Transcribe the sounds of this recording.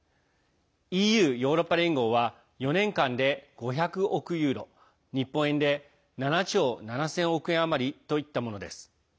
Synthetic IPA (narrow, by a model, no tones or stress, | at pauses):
iːjɯ̟ːjo̞ːɾo̞pːaɾʲĩŋɡo̞ːβa | jo̞nẽ̞ŋkãnd̪e̞ɡ̥o̞çakɯ̟ʔo̞kɯ̟jɯ̟ːɾo̞̰ | ɲ̟ipːõ̞ɰ̃ẽ̞nd̪e̞ | nanat͡ɕo̞ːnanasẽɰ̃o̞kɯ̟ẽ̞ɰ̃amaɾʲit̪o̞it̪ːamo̞no̞d̪e̞sɨ̥